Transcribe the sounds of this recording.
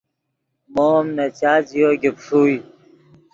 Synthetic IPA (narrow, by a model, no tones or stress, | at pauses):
momnɐt͡ɕaːd͡ʑijoːɡepʂuːj